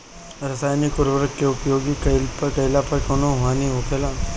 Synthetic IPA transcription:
ɾɐsaːjnɪkʊɾʋəɾəkːeʊpjoːɡikɐɪlpɐɾkɐɪlapɐɾkoːnõʋaːniɦoːkʰeːlaː

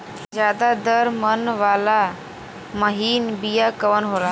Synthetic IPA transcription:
zjaːd̪ad̪əɾmənʋaːla | məɦiːnbijakəʋənɦoːɾaː

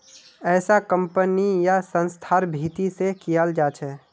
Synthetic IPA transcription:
ɛːsakə̃mpənijasə̃nst̪ʰaːɾbʱiːt̪isekijald͡ʒaːt͡ʃʰɛː

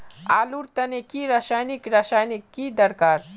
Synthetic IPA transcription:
aːluɾt̪ɐnekiɾaʃaːjnikɾaʃaːjnikːid̪ɐɾkaːɾ

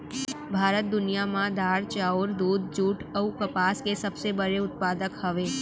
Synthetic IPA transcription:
bʱaɾət̪̚d̪ʊnijamãd̪aɾt͡ʃaoɾd̪ud̪d͡ʒuʈʰəukəpaskesəbsebəɾeʊt̪̚pad̪əkhəʋe

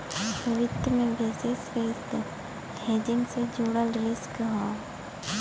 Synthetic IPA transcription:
ʋɪd̪mẽbɛːsesɾeːst̪ | t̪ʰeːd͡ʒɪnsed͡ʒoːɽəlɾɪskɦãː

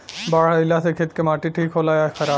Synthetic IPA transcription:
baːɽaɪlasekʰet̪kemaːʈiʈʰiːkɦoːlaːjaxɐɾaː

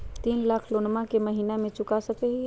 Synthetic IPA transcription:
t̪iːnlaːkʰloːnmãkeməɦiːnamẽt͡ʃʊkasəkeɦi

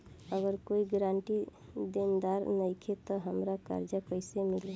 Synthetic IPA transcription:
əɡəɾkoiɡɾaɳʈid̪end̪aɾnəɪkʰet̪ɔɦəmɾaka̰ɾd͡ʒəkəɪsemile

